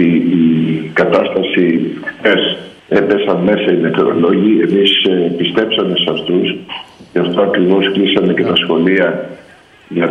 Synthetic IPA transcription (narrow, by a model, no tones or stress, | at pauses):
iː | kɐt̪ɐst̪ɐsixθe̞s | e̞pe̞sɐnme̞sɐineθɾo̰lo̞ʝie̞mispist̪e̞psɐme̞sɐft̪usceɐft̪o̞ɐkɾivo̞sklisɐme̞ce̞t̪ɐsxo̞liɐ | ʝɐ